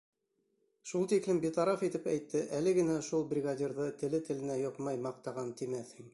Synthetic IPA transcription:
ʃulˠt̪iklɘmbit̪ɑɾɑfit̪ɘpæjt̪ːɘʔælɘɡɘ̆næʃulˠbrʲɪɡadʲirðɤt̪ɘ̆lɘt̪ɘ̆lɘ̆næjŏqmɑjmɑq̚t̪ɑʁɑnt̪imæθhɘŋ

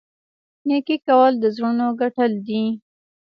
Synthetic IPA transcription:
nekikawəld̪əzɾunoɡaʈəld̪i

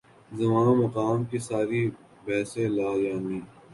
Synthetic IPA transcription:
zɐmãːmɐqaːmkisaːɾi | bɛːsẽlaːd͡ʒaːniː

